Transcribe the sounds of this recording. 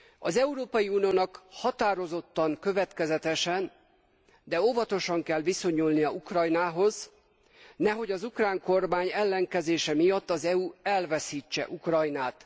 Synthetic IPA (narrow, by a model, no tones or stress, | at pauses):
ɒzɛuɾoːpɒjiunijoːnɒkhɒt̪aːɾo̞zo̞t̪ːɒŋkø̞vɛt̪kɛzɛt̪ɛʃɛn | d̪ɛo̞vɒt̪o̞ʃɒŋkɛlʋiso̞ɲulnijɒukrɒjnaːɦo̞z | nɛɦo̞ɟɒzukraːŋko̞rmaːɲɛlːɛŋkɛzeːʃɛmijɒt̪ːɒzɛuɛlvɛsiːt͡ʃːɛ̰ʔukrɒjnaːt̪